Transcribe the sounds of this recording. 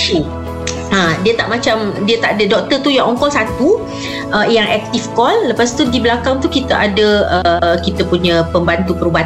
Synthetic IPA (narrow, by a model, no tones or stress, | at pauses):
si | adiət̪aʔmat͡ʃamdiət̪aʔadədɔk̚t̪ərt̪ujaŋɔŋkɔlsat̪u | ʔəjaŋʔɛk̚t̪ifkɔlːəpast̪udibəlakaŋt̪ukit̪aʔadəəkit̪apuɲãpəmbant̪upəɾuba